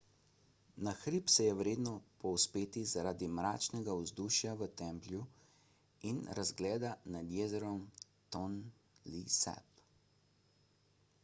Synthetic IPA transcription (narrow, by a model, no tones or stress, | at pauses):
naxɾiːpsɛjɛwɾeːd̪nɔpɔwspeːt̪izaɾaːd̪imɾaːt͡ʃnɛɡauzd̪uːʃjaʋət̪ɛmplju | inɾazɡlɛːd̪anad̪jɛːzɛɾɔm | t̪ɔn | lisɛ̰p